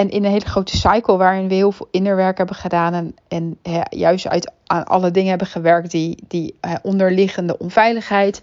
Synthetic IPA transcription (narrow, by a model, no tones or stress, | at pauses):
ɛnʔɪnənɦejləχrowtə̥sɑjkəl̩ˠʋaːɹɪnʋəɦɪːlˠvɪːlˠkɪndəɹʋɛɹkɦɛbəχədaːnɛn | ɛnɦɛjœ̰ɥstœ̰ɥt | a̰ːnʔɑ̰lədɪŋənɦɛbənχəʋɛɹk̚tdid̥iɦɛʔɔndəɹlɪχəndəʔɔnvɛjləχɦɛjt